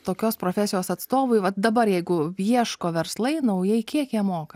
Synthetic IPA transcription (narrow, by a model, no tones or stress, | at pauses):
t̪oːkʲoːspɾoːfʲæsʲɪjoːsɐt̪st̪oːʋʊɪʋɐd̪ɐbɐɾjɛɪɡʊjiɛʃkoːʋʲɛɾslˠɐɪnɐʊjɛɪkʲiɛkjiɛmoːkɐ